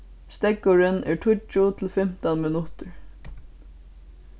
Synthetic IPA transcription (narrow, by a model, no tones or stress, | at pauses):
st̪ɛkʊɹɪnʔɛɹʈʰʊt͡ʃʊt̪ʰɪlfɪm̥t̪anmɪnʊt̪əɹ